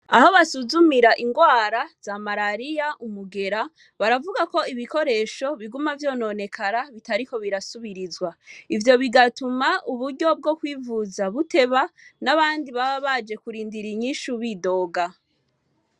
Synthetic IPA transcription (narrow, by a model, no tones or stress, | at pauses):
aho̞βasuzumiɾaʔiŋɡwaːɾaz̥amaɾaɾijaʔumuɡe̞ɾa | βaɾavuɡako̞iβiko̞ɾe̞ːʃo̞βiɡumavjo̞ːno̞ne̞kʰaɾaβitaɾiko̞βiɾasuβiɾizɡwaivjo̞βiɡatumauβuɾɟo̞b̚ɡo̞kwiːvuzaβute̞βanaβaːndiβaβad͡ʒe̞kuɾiːndiɾiɲiːʃuβido̞ːɡa